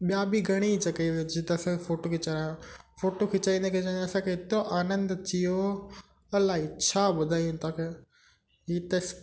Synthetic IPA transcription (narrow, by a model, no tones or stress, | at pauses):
ɓjabiɡʱɐɽ̃it͡ɕɐkəid͡ʑit̪ɐsãkefoːʈokɪt͡ɕɐɾaãfoːʈokʰɪt͡ɕaːĩːnd̪ekʰed͡ʑãɐsãkʰeɦɪt̪oʔaːnə̃nd̪t͡ɕijo | ɐlaːɦit͡ɕʰaːɓʊd̪ʱaːijũt̪aːkʰe | ɦiːt̪ɐs